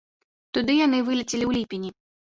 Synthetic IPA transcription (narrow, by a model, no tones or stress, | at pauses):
t̪ud̪ɨjan̪ɨvɨlʲit͡sʲilʲiwlʲipʲinʲi